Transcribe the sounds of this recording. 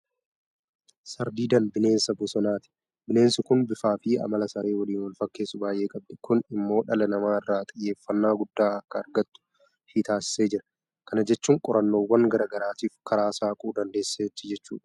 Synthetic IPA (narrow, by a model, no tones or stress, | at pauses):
sɐɾd̪iːd̪ɐnbɪne̞ːnsɐbʊsɔnaːt̪ɪ̥ | bɪne̞ːnsʊkʊnbɪfaːfɪɐ̰mɐlɐsɐɾe̞ːwɐliːnwɐlfɐkːe̞ːsʊbaːjʔe̞ːkʼɐb̚d̪ɛkʊnɪmːo̞ːᶑɐlɐnɐmaːɪrːaːt̪ʼɪjːe̞ːfːɐnːaːɡʊd̪ːaːɐkːɐːɾɡɐt̪ːʊ̥ | hit̪aːsɪ̥se̞ːd͡ʒɪɾɐ | kɐnɐd͡ʒɛt͡ʃːuːŋkʼɔɾʔɐnːo̞ːwːɐŋɡɐɾɐɡɐɾaːt̪iːfkʰɐɾaːsaːkʼuːd̪ɐnd̪e̞ːsːeːt͡ʃːɪd͡ʒɛt͡ʃːṵːᶑɐ̥